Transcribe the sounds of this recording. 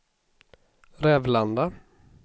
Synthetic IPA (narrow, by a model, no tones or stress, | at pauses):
ɾɛːvland̪a